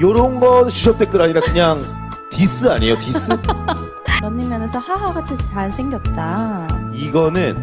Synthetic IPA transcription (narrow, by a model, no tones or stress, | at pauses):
joɾʌɯnɡʌnɕʰuɕʰʌp̚t͈e̞k͈ɯɾaɲiɾakɯɲaŋ | tis͈ɯaɲejotis͈ɯ | jʌnːɯmjʌnesʰʌɸaɦaɡat͡ɕʰit͡ɕaɭsʰeŋɡjʌt̚t͈aiɡʌnɯn